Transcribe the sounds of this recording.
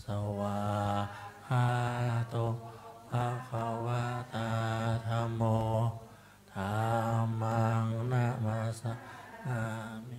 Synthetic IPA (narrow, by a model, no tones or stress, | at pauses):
sawa | kat̪o | akawat̪at̪ʰambo | t̪ʰamaŋnamaɾasaami